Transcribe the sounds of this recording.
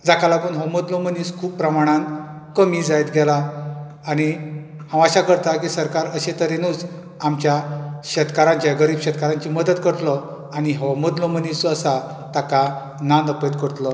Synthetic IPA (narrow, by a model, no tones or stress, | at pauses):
d͡zakalaɡuːnɦɔməd̪loməniskʰuːppːɾəmaɽ̃ãn | kəmiːd͡zajt̪ɡɛlaː | ɽ̃ihãʋaɕakəɾt̪akisəɾkaɾəɕet̪əɾenuːd͡z | amt͡ɕjaɕət̪kaɾãɲt͡ɕjaɡəɾiːbɕət̪̚kaɾaɲt͡ɕiməd̪ət̪kəɾt̪lɔ | aɽ̃iɦɔwməd̪lɔmənisəsa | t̪aka | nanəpəd̪kəɾt̪lɔ